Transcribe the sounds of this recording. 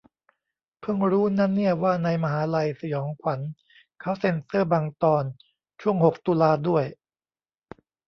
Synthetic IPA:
pʰɯ˥˩ŋɾuː˦˥na˦˥nːi˥˩ɐwaː˥˩na˧jma˧ɦaː˩˦la˧jsa˧jɔː˩˦ŋkʰwa˩˦n | kʰa˦˥wse˧nsɤː˥˩baː˧ŋt̪ɔː˧n | t͡ɕʰu˥˩əŋho˨˩k̚t̪uː˧laː˧du˥˩əj

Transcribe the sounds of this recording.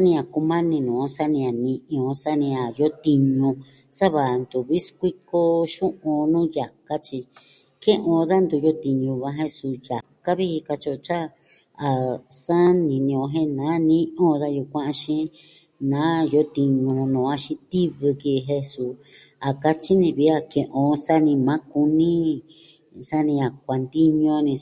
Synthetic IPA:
a˦nĩ˧a˨ku˧mã˦nĩ˧nũː˨˦˧sa˦nĩ˧a˨nĩ˧ʔĩ˧õ˧sa˦nĩ˧a˨jo˦t̪i˧ɲũ˧ | sa˦βa˨nd̪u˨βi˦skʷi˦ko˦ʃũ˦ʔõ˧nũː˦ja˨ka˦t͡ʃi˧ | kẽ˦ʔõ˧ða˦nd̪u˧jo˦t̪i˧ɲũ˧βã˧˦ɦe˧su˧ja˨ka˦βi˦i˧ka˧t͡ʃo˧t͡ʃa˦ | a˨sa˦nĩ˨nĩ˧õ˧ɦẽ˦nãː˨˦nĩ˦ʔõ˦˨˧ða˦ju˧kʷã˦ʔã˧ʃĩ˦ | nã˨˦jo˧˦t̪i˧ɲũ˧nõː˨a˧ʃĩ˧t̪i˦βɨ˧ki˧ɦẽ˧su˧ | a˨ka˧t͡ʃi˦nĩ˧βi˧˦a˧kẽ˨ʔõ˧sa˦nĩ˧mã˨˦ku˧nĩ˦ | sa˦nĩ˧a˨k̚ʷa˨nd̪i˦ɲõ˧nĩ˧

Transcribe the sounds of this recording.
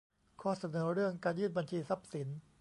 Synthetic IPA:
kʰɔː˧sa˧nɤː˩˦ɾɯ˥˩əŋkaː˧njɯː˥˩nba˧nt͡ɕʰiː˧sa˦˥p̚si˩˦n

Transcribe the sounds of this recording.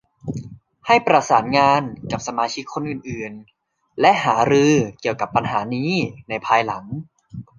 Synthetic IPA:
ha˥˩jpɾa˧saː˩˦nŋaː˧nka˨˩p̚sa˧maː˧t͡ɕʰi˦˥kʰːo˧nʔɯː˨˩nʔɯː˨˩n | lɛ˦˥ʔhaː˩˦ɾɯː˧ki˨˩əwka˨˩pːa˧nɦaː˩˦niː˦˥na˧jpʰaː˧jla˩˦ŋ

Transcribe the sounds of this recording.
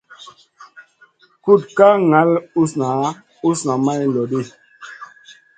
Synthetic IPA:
ku˦tka˦ŋa˨˦lu˦sna˨˦ | u˦sna˨ma˦jlɔ˨ɗe˦˨

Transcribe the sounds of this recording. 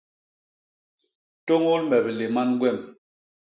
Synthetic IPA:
to˦ŋo˦lmɛ˨be˨le˨ma˦nɡwɛ˦˨m

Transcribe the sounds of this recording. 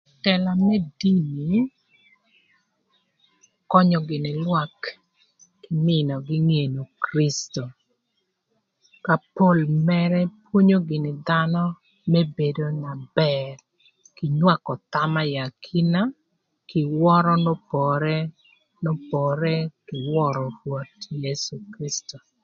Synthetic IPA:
tɛ˨la˨mɛ˦di˦ni˨ | kɔ˦ɲɔ˨ɡɪ˨nɪ˨lwa˦kː | ɪ˨mɪ˦nɔ˨ɡɪ˦ŋe˨no˨kɾi˦sto˨ | ka˨po˦lmɛɾɛ˦pwo˦ɲo˦ɡɪ˨nɪ˨d̪a˦nɔ˦ | me˦be˨do˦na˨bɛɾ | kɪ˨ɲwa˦kɔ˨t̪a˦ma˦ja˨kʰi˦na˦ | kɪ˨wɔ˦ɾɔ˦nɔ˦pɔ˨ɾɛ˦ | nɔ˦pɔ˨ɾɛ˦kɪ˨wɔ˦ɾɔ˨ɾwo˨tje˦su˨kɾi˦sto˨

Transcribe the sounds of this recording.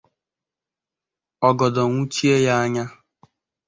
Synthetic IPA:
ɔ˨ɡɔ˨dɔ˨ŋʷu˦t͡ʃi˦e˦ja˦a˦ɲa˦

